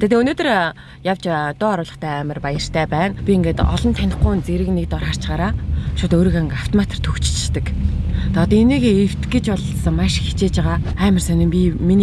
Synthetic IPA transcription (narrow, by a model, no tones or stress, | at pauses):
t̪ʰæːt̪ʰeːɵnoːt̪ɵ̆r | jawt͡ɕt̪ʊːɔɾʊːɮɞ̆χt̪ʰæːæːmə̆rpajə̆r̥t̪ʰæːpæːnpʲieŋɡeːt̪ɔ̰ɮɞ̆nt̪ʰænʲɪ̆χɡʊjnt͡seɾɘ̆knekt̪ɔrχaːr̥t͡ɕɢaːɾaːʃʊt̪oːɾiːɣaŋaft̪ʰɔmat̪ʰr̥t̪ʰɵxt͡ɕt͡ɕt̪ɘ̆kt̪ʰaɔt̪ɔeniːɣeir̥t̪ɡɘ̆t͡ɕpɔɮsə̆ŋmaʃxi̥t͡ɕeːt͡ɕaʁaː | æːmə̆rsœnʲɪ̆mpʲimin